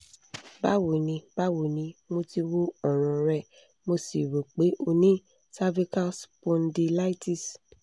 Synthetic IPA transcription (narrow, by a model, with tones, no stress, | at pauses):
ba˦wo˨nĩ˧b̥a˦wo˨nĩ˧mo˧ti˧wo˦ɔ˦˨ɾ̃ɔ̃˨ɾɛ˧˨ | mo˧si˨ɾo˨k͡pe˨˦ʔo˧nĩ˦ | sa˦vi˦ka˦spõ˧n˦di˧la˦i˦ti˧˨s